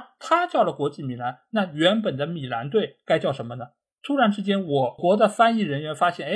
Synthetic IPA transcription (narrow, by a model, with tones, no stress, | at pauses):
t̪ʰa˥t͡ɕjɑ˥˩ʊlə˩kwɔ˧˥t͡ɕi˥˩mi˨˩la˧˥nna˥˩ɥɛ˧˥npə˨˩nd̪ə˦mi˨˩la˧˥nt̪̬we˥˩ɪka˥ɪt͡ɕjɑ˥˩ʊʂə˧˥nmə˧nə˨ | t̪ʰu˥ɻa˧˥nʈ͡ʂɻ̩˥t͡ɕjɛ˥nwɔ˨˩kwɔ˧˥d̪ə˧fa˥ni˥˩ɻə˧˥nɥɛ˧˥nfa˥ɕjɛ˥˩ne˥